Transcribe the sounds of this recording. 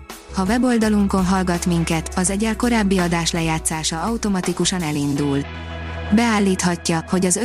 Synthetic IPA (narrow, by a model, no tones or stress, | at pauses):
hɒvɛbo̞ld̪ɒluŋko̞nɦɒlɡɒt̪miŋkɛt̪ɒzɛɟɛlko̞ɾaːbːiɒd̪aːʃlɛjaːt̪saːʃɒɒwut̪o̞mɒt̪ikuʃɒnɛlind̪ul | bɛaːlːiːt̪hɒcːɒho̞ɟɒzø